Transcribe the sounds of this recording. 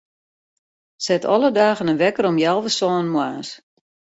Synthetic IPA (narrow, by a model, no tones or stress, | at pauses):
sɛtʰɔ̰lədaːɣənənʋɛkəɾɔmjɛlˠvəsɔːnmwaːs